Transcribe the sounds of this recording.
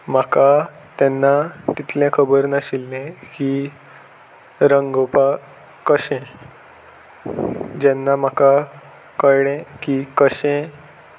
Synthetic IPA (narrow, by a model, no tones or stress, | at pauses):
m̤aka | t̪ɛnːat̪it̪ʰlɛ̃kʰəbəɾnəɕilːẽki | ɾəŋɡopa | kəɕɛ̃ | d͡ʑɛnːam̤aka | kəjɽɛ̃kikəɕɛ̃